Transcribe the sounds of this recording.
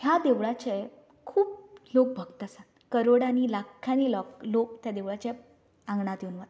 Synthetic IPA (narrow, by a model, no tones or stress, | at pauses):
ɦjad̪eʋɭat͡ɕe | kʰuːplok̚bʱəɡt̪əsat̪kəɾoɽaɽ̃ilakʰːañilɔklok̚t̪jad̪eʋɭat͡ɕe | ãŋɡɳat̪jenʋət̪